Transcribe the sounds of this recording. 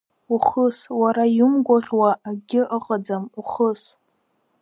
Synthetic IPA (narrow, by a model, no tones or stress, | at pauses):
uχəswaɾajumɡʷaʁʲwaʔːɡʲɪʔəqʼad͡zamuχəs